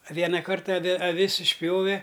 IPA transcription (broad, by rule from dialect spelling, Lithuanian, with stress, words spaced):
ɐ ˈʋʲiɛnɐ ˈkɐrtɐ ɐˈʋʲɪ ɐˈʋʲɪs ɪʃʲˈpʲjoːʋʲɛ